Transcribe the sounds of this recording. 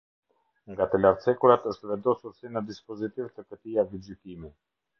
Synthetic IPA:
ŋɡat̪əlaɾt͡sɛkuɾat̪əʃt̪əvɛnd̪ɔsuɾsinəd̪ispɔzit̪ivt̪əkət̪iavid͡ʑykimi

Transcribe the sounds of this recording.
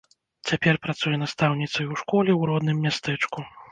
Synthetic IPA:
t͡sʲapʲɛrpɾat̪sujɛnast̪awnʲit̪sɐjuwʂkɔlʲɛwɾɔd̪nɨmːʲast̪ɛt͡ʂku

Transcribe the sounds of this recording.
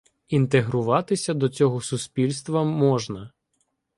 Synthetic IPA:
int̪eɦɾʊʋɑt̪ɪsʲɐd̪ɔt͡sʲɔɦɔsuspʲilʲst̪ʋɐmɔʒnɐ

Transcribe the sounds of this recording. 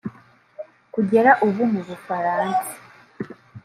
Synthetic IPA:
kuɟe̞ɾaʔuβumuβufaɾaːnsaḁ

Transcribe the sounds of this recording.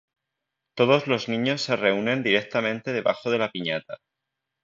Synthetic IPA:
t̪o̞ðo̞zlo̞znĩɲo̞sːe̞re̞unẽ̞nd̪iɾe̞k̚t̪amẽ̞nt̪e̞ð̞e̞βaxo̞ð̞e̞lapiɲat̪a

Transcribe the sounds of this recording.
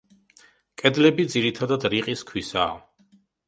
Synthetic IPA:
kʼɛd̪lɛbid̪ziɾit̪ʰad̪ad̪ɾiqʼiskʰwisa̰ː

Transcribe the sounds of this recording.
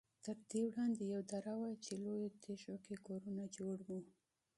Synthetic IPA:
t̪əɾd̪ewɽɑnd̪ejawd̪aɾawajt͡ʃelojot̪ʰeʃokekoɾunad͡ʒoɽwu

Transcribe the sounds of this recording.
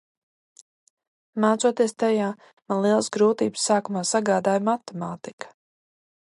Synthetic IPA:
maːt̪suɔt̪iɛst̪ajaː | manlˠiɛlˠsɡɾuːt̪iːbsːaːkumaːsaɡaːd̪aːjmat̪ɛmaːt̪ikḁ

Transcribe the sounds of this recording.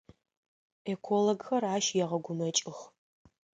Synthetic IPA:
ekʷʰoloɡxɐraːʃjɛʁɐɡʷʊmɐt͡ʃʼɪx

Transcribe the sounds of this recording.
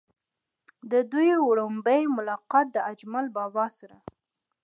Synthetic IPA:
d̪əd̪ujwɽombəjmʊlɑqɑt̪̚d̪əad͡ʒmalbɑbɑsaɾa

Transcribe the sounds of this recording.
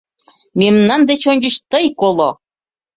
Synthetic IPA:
mʲemnɑnd̪et͡ɕonʲd͡ʑə̆t͡ɕt̪əjkolˠo

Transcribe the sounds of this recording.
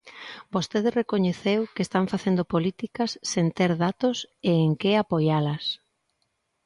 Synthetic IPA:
bost̪eðɪsrekoɲeθewkest̪aɱfaθend̪opolit̪ikɐsːent̪eɾðat̪oseːŋkeapojalɐs

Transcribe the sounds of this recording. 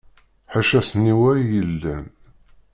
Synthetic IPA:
ħaʃæsənːiwæɾjəlːən

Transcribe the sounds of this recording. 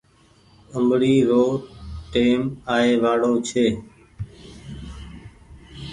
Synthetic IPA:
əmbɽiːɾoːʈeːmaːeːʋaːɽoːt͡ʃʰeː

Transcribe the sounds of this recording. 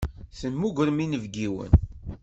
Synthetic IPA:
θənmuɡʷɾəminəvɡiwə̰n

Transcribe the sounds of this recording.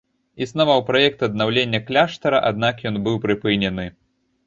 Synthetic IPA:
isnavawpɾajɛk̚t̪ɐd̪nawlʲenʲːɐklʲaʂt̪ɐɾɐ̰ʔad̪̚nakjɔnbɨwpɾɨpɨnʲɛnɨ

